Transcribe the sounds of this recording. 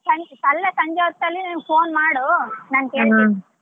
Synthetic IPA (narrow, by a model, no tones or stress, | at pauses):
sɐsɐlːesɐɲd͡ʒɔːt̪ːɐlːiniːpʰoːnmaːɽunaːnkeːɭi